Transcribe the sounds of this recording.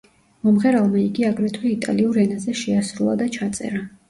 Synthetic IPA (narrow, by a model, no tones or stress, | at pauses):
mɔmʁɛɾalˠmaiɡiaɡɾɛt̪ʰwɛit̪ʼa̰liuɾɛnazɛʃɛasɾulˠa̰d̪at͡ʃʰat̪sʼɛ̰ɾa